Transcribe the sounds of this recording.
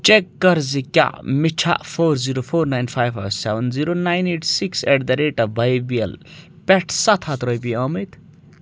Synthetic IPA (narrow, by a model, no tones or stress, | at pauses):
t͡ʃekːɐɾzikʲa̰mit͡ʃʰa̰pʰoɾziɾopʰoːɾnajnpʰajbasɛʋənziɾonajneʈʰsikseʈd̪ɐɾeʈɐbʱɐjbiɐl | pɛʈʰsɐt̪ʰat̪ɾojpiʌmit̪